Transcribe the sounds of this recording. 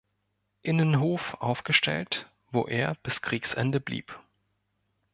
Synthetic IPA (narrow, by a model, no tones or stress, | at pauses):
ʔɪnənɦoːfʔaʊfɡ̥əʃtʰɛ̰lt | v̥o̰ːʔeːɐb̥ɪskʁ̥iːksʔɛ̰ndəblḭːp